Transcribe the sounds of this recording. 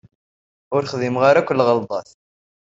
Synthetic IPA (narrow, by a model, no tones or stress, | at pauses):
ʊɾχðimʁaɾakʷːlːʁəld̪ˤɑθ